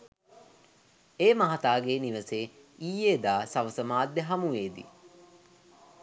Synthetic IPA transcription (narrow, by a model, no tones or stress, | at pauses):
eːmɐɦat̪aːɡeːniʋəseː | iːeːd̪aːsɐʋəsəmaːd̪ːeɦɐmuʋeːd̪ḭ